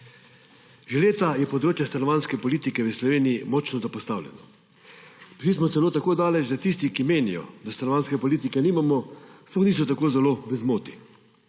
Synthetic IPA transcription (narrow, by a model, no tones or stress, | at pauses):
ʒeleːt̪ajɛpɔd̪ɾoːt͡ʃjast̪anɔʋaːnskɛpɔliːt̪ikɛʋəslɔʋeːnijimɔt͡ʃnɔzapɔst̪a̰ːwlʲjɛ̰nɔ | pʒis̬mɔt̪ɛloːt̪akoːd̪aːlɛt͡ʃd̪at̪iːst̪ikimeːnijɔ̰d̪ast̪anɔʋaːnskɛpɔliːt̪ikɛniːmamɔsɔxniːs̬ɔt̪akoːzɛloʋəzmoːt̪i